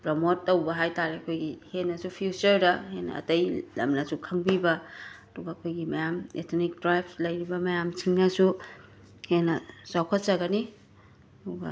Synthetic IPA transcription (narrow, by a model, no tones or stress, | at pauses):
pɾomotːowbɐɦajtaɾeɐkʰojɡihenːɐsupʰijut͡ʃɐɾdɐhenːɐ̰ːtɐjlɐ̰mnɐsukʰɐŋbibɐɐduɡɐɐkʰojɡimɐjamḛtʰnik̚dɾajpslɐjɾibɐmɐjamt͡ʃʰiŋnɐsu | henːɐzawkʰɐt̚t͡ʃɐɡɐni | duɡɐ̰